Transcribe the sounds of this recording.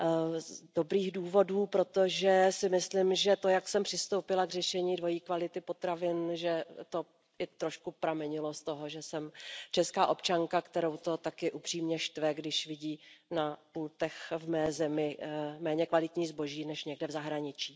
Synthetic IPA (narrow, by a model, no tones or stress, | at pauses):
do̞bɾiːɣduːvo̞duːpɾo̞t̪o̞ʒɛsɪmɪslɪmʒɛt̪o̞jaksɛmpr̝̥ɪst̪owpɪlaɡr̝ɛʃɛɲiːdvo̞jiːkvalɪt̪ɪpo̞t̪ɾavɪnʒɛt̪o̞ | ɪt̪ɾo̞ʃkupɾamɛɲɪlo̞st̪o̞ɦo̞ʒɛsɛmt͡ʃɛskaːʔo̞pt͡ʃaŋkakt̪ɛɾo̞wt̪o̞t̪akɪʔupr̝̥iːmɲɛʃt̪vɛɡdɪʃvɪɟiːnapuːlt̪ɛxvmɛːzɛmɪmɛːɲɛkvalɪt̪ɲiːzbo̞ʒiːnɛʃɲɛɡdɛvzaɦɾaɲɪt͡ʃiː